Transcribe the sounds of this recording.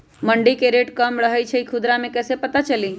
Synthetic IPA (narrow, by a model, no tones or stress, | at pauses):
məɳɖikeɾeʈkəmɾəɦəjt͡ʃʰɛikʰud̪ɾamẽkɛːsepət̪at͡ʃəli